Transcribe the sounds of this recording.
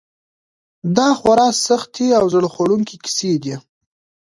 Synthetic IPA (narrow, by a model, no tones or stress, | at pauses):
d̪ɑxwaɾɑsaxt̪iawzəɽxoɽuŋkikɪ̥sed̪i